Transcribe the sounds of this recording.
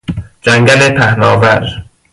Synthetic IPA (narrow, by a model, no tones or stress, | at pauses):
d͡ʒæŋɡælepʰæhnɒːvæɾ